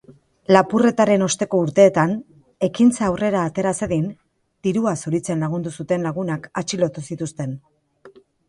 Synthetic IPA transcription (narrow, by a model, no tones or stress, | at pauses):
lapure̞t̪aɾe̞no̞st̪e̞ko̞uɾt̪e̞ːt̪an | e̞kint͡saːwre̞ɾaːt̪e̞ɾaseðin | d̪̥iɾuasuɾit͡se̞nlaɣ̞und̪usut̪e̞nlaɣ̞unakat͡ʃilo̞t̪usit̪ust̪e̞n